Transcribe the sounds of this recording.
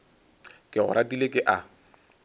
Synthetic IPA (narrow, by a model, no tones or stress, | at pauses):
kʼɪɣʊ̰ɾʔatʼilekʼɪʔa